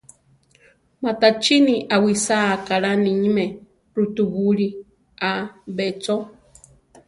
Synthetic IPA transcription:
mat̪at͡ʃiniʔawisakaɺaniɲme | ɾut̪uβuɺi | abet͡so

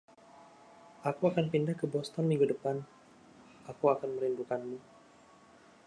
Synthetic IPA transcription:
ʔakuakanpindahkəbɔst̪ɔnmiŋɡudəpan | ʔakuakanməɾindukanmu

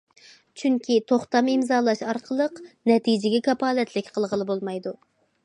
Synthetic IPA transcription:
t͡ʃʰyŋkʲit̪ʰoχt̪ɑmimzɑːlˠɑʃɑɾqʰəlˠəqnɛt̪ʰid͡ʒɪɡʲɛkʲʰɑpɑːlɛt̪ʰlɪkʲqʰəlˠʁəlˠɨbolˠmɑjd̪u

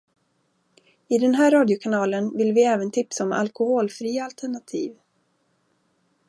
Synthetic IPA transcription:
ɪd̪ɛnɦæːɾːɑːd̪jʊkʰanɑːlənvɪlvɪɛːvənt̪ʰɪpsaɔma̰lkʊhoːlfɾiːaalt̪ʰɛɳat̪ʰiːv

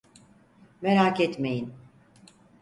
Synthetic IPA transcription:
meɾakɛt̪me̞jin

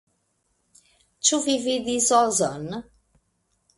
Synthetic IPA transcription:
t͡ʃuvivid̪izɔzənə

